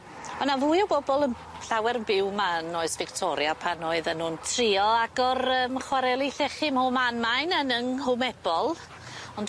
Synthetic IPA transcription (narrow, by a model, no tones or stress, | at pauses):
ɔnavuːɨɔwbɔbɔlˠən | ɬawɛɾənbɪwmanoɨsvɪktʰɔɾjapʰanɔɨðanʊːntʰriɔaɡɔɾəːmχwaɾɛlˠiɬɛχɪmhʊmanmajnənənhʊmɛb̥ɔlˠ | ɔnd